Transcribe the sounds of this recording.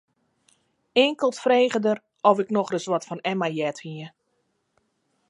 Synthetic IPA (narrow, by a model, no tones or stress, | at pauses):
ɪːŋkəlˠtfreːɣədər | ɔvɪknɔxrəsʋɔtfɔnɛmajɛthiə